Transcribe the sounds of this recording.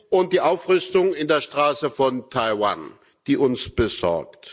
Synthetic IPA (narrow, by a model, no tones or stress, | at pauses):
ʔʊnt̚d̥iːʔaʊfʁʏstʊŋɪndeːɐʃtʁ̥aːsəfɔntʰaɪwa̰n | d̥iːʔʊnsb̥əzɔ̰ɐkt